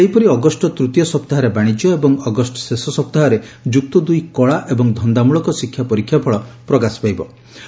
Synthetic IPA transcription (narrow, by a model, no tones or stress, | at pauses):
sejpɔɾiɔɡɔsʈɔt̪ɾut̪jɔsɔpt̪aɦɔɾebaɽ̃id͡ʒjɔebɔŋɔɡɔsʈɔ̥sesɔsɔp̚t̪aɦɔɾed͡ʒuk̚t̪ɔd̪ujkɔɭaʔebɔŋd̪ʱɔnd̪amuɭɔkɔsikʰːjapɔɾikʰːjapʰɔɭɔpɾɔɡaspajbɔ